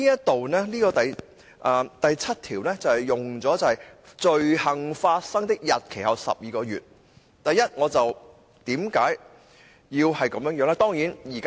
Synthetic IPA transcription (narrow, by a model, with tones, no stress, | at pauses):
iː˥jɐ˥t̚t̪o˨wnɛː˥niː˥kɔː˧t̪ɐ˨j | ʔaː˨˩t̪ɐ˨jt͡sʰɐ˥t̚t̪ʰiː˨˩wnɛ˥t͡sɐ˨whɐ˨jʊ˨ŋt͡sɔː˨˦˥t͡sɐ˨˧whɐ˨jt͡ʃɵ˨˧ɥhɐ˨ŋfaː˧t̚sɐ˥ŋt̪ɪ˥k̚jɐ˨t̚kʰe˨˩jhɐ˨wsɐ̰˨p̚jiː˨kɔː˧jy̰ː˨t̚ | t̪ɐ˨jɐ˥t̚ŋɔː˨˧t͡sɐ˨w | t̪iː˨˥mkaː˨˥j | jiː˧whɐ˨jkɐ˨˧mjœː˧˥ŋjœː˨˥ŋlaː˥t̪ɔː˥ŋjiː˨˥njiː˨˩ka